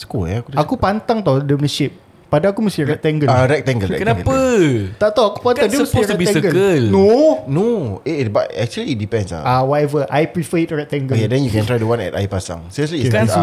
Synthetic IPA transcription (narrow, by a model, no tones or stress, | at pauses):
sə̥kɔaakuakupant̪aŋt̪adɛmnəʃip̚ː | adaakuməst̪iɹɛk̚t̪ɛ̃ŋɡəlaɾɛk̚t̪ɛ̃ŋɡəlɛkənaəpət̪aʔt̪awaku̥pant̪aŋdiəməspoiɾbiɛ̃səɡələlnonoiba̰tɛk̚t͡ʃuəliːdipɛ̃nsa̰awatɛvəʔajpɾifəit̚ɹɛk̚t̪ɛŋɡəkedɛ̃njukɛ̃ntɾajdəwãnɛ̰ta̰jpasã̰ŋsɛʃəliãn